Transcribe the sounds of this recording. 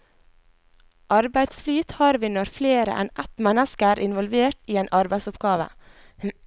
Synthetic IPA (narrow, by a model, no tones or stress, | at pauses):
ʔɑɾbæɪd̪sflyːt̪hɑːɾʋiːnɔɾfleːɾə̰ʔɛ̰nʔɛt̪mɛnəskəæːɾʔɪnʋɔlʋeːʈiːeːnʔɑɾbæɪsʊpɡɑːʋə̰